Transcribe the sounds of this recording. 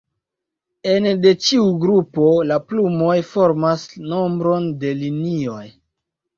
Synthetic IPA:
ende̞t͡ʃiuɡɾupo̞laplumo̞jfoɾmasno̞mbɾo̞nde̞linio̞j

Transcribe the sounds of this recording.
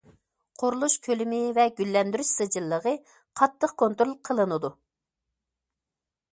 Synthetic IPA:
qʰoɾulˠuʃkʲʰølymɪvɛɡʲylːɛnd̪yɾyʃsɨd͡ʒɨlˠːəʁə | qʰɑt̪ʰːəqkʰont̪ɾolˠqʰəlˠɨnɨd̪u

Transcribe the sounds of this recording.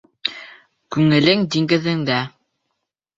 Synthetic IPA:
kʉŋɘ̆lɘŋd̪iŋɡɘ̆ðɘ̆ŋd̪æ

